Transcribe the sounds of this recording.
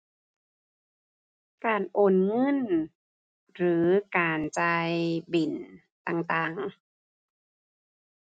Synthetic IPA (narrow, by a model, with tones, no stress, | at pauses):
kaː˨˩nʔoː˨˩nŋɤ˧˥˨n | ɾɯː˩˦kaː˨˩nt͡ɕa˧jbi˨˩n | t̪aː˧˩ŋt̪aː˧˩ŋ